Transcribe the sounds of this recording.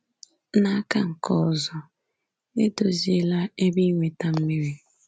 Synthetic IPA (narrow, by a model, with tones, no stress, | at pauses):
na˨a˦ka˦ŋ̩˨kɔ˦˨zɔ˦ | ne˦do˨zi˨˦e˦la˦e˦bi˦ŋʷe˨ta˦m̩˦mi˦ɾi˦